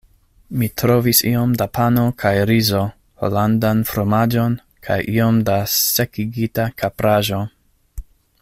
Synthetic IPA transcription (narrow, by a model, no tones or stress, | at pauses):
mitɾo̞visio̞mdapano̞kʰajɾizo̞ | ho̰landanfɾomad͡ʒo̞n | kʰajʔio̞mdase̞kiɡitakʰapɾʔaʒo̞